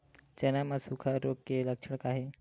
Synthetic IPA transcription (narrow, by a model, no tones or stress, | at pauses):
t͡ɕɛnamasukʰaɾoɡ̚keləkʂəɽkaɦe